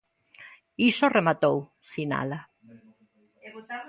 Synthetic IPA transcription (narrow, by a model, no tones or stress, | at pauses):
isoremat̪ow | sina̰la